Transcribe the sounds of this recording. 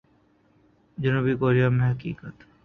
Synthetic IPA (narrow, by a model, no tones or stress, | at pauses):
d͡ʑunubikoːɾijamẽɦɐkḭːkət̪